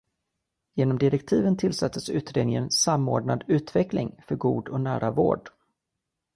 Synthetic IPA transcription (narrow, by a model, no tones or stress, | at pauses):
jeːnɔmd̪ɪɾɛkt̪ʰiːvənt̪ʰɪlsat̪ʰːəsʉ̟ːt̪ɾeːd̪nɪŋənsamːoːɖɳad̪ʉ̟ːt̪vɛklɪ̰ŋfœɾɡuːd̪ɔnæ̰ːɾʔavo̰ːɖ